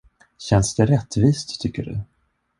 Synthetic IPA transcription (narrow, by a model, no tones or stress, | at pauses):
ɕɛnsd̪̥ɛɾɛt̪ːviːst̪ʰːʏkːəɖɵ̰